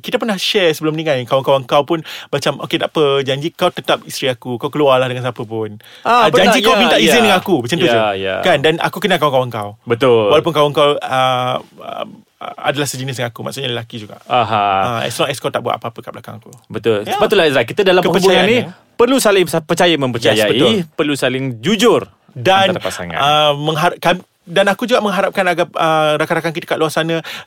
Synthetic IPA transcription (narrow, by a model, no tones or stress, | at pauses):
kit̪apərnahʃɛsəbəlʊmniŋãjkawaŋkawəŋkawpʊnmat͡ʃamʔoket̪aʔpəd͡ʒaɲd͡ʒikawt̪ət̪ap̚ist̪ɾiakukawkəlualahdəŋansapəp̬ʊn | aad͡ʒaɲd͡ʒikawmint̪aʔizɪndəŋakubət͡ʃant̪ud͡ʒəjja̰kandana̰kukənakawaŋkawəŋkawbət̪ʊlwalawp̬ʊnkawəŋkawəə̰ | a̰dalahsəd͡ʒənɪs̬jaŋakuma̰ʔsʊʔɲaləlakid͡ʒuɡa̰ʔaɦaəɛ̰sɔŋɛskɔwt̪aʔbua̰t̪a̰pəapəkab̚laka̰ŋakubət̪ʊləbaulaisɾakit̪adalamkəpəuaani | pərlusalɪŋspərt͡ʃajamə̃mpət͡ʃajaipərlusalɪŋd͡ʒud͡ʒʊr | danat̪apasa̰ŋa̰əːə̃ŋɦaɾkam | danakud͡ʒuɡaʔmə̃ŋɦaɾap̚kanaɡap̚əɾakaɾakaŋkit̪əkaʔluasanã